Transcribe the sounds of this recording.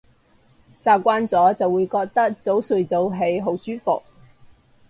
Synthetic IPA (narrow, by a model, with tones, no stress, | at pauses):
t͡saː˧kʷaː˧˥nt͡sɔː˨˥t͡sɐ˨wuː˨˧jkɔː˧k̚t̪ɐ˥k̚t͡so˨˥wsɵ˨˧ɥt͡so˨˧˥wɦe˨˧˥jɦo˨˥wsyː˥fʊ˨k̚